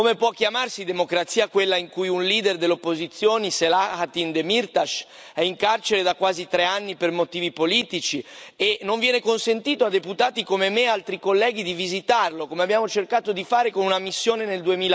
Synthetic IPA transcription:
komepwɔkːjamarsid̪emokɾat̪siːakwelːaiŋkujunliːd̪erd̪eleopːozit̪sːjoːniselaat̪ind̪emirt̪aʃ | ɛiŋkart͡ʃeɾed̪akwaːzit̪ɾeanːipermot̪iːvipoliːt̪it͡ʃienːoɱvjɛːnekonsent̪iːt̪oad̪eput̪aːt̪ikomemealt̪ɾikolːɛːɡ̟id̪ivizit̪arlokomeabːjaːmot͡ʃerkaːt̪od̪ifaːɾekonunamisːjoːneneld̪uemiːl

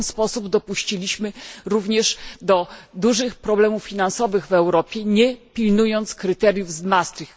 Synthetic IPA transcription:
nspɔsubd̪ɔpuɕt͡ɕilʲiɕmɘɾuvɲɛʂd̪ɔd̪uʐɘxpɾɔblɛmufːʲinansɔvɘɣvɛwɾɔpʲjɛɲɛpʲilnujɔnt̪skɾɘt̪ɛɾjuvzmast̪fʲi

